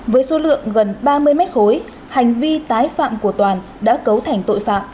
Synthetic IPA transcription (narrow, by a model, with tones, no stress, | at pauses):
vəː˨˦jso˨˦lɨ̰˧˨əŋɣə˨˩nɓaː˧mɨ˧əjmɛ˦˥t̚ho˨˦j | ha˨˩jŋ̟vi˧t̪aː˨˦jfa̰ː˧˨mku˧˩ət̪waː˨˩n | ɗa̰ː˧˥kə˨˦wt̪ʰa˨˧˩jŋ̟t̪o̰˧˨jfa̰ː˧˨m